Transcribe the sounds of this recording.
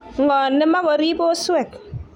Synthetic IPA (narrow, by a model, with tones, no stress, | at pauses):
ŋɔ˨nːe˦ma˦ko˨ɾi˦bo˦swe˦˨k̚